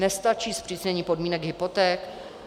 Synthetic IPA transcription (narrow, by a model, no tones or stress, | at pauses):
nɛst̪at͡ʃiːspr̥izɲɛɲiːpodmiːnɛɡɦɪpot̪ɛːk